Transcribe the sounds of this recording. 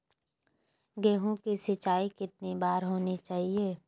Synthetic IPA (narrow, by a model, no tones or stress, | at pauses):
ɡeːɦõkisɪt͡ʃaːikɪt̪̚nibaːɾɦoːnit͡ʃaːɦieː